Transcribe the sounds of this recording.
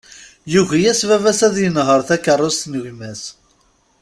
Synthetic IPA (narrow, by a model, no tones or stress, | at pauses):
juʝijæsvævæsæðjənɦəɾˤθækːərˤːʊst̪nəʝmæs